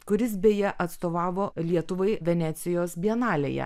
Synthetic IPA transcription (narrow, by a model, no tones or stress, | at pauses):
kʊɾʲɪsbʲeːjɛʔɐt̪st̪oːʋɑːʋoːlʲiɛt̪ʊʋɐɪʋʲɛnʲæːt̪sʲɪjoːsbʲiɛnɑːlʲḛjɛ̰